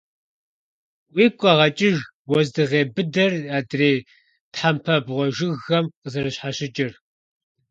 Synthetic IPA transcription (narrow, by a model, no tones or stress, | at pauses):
wiːkʷʼɐʁɐt͡ʃʼɪʒ | wɔzdɨʁeːbɨdɐraːdreː | tħampʰɐbʁʷɔʒɪɣɐmqəzɐɾɐɕħaɕɪt͡ʃʼɪr